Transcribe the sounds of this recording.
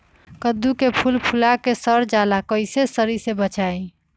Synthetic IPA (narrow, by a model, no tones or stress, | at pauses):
kəd̪ːukepʰulpʰulakesəɾd͡ʒalakəɪsesəɾisebət͡ʃae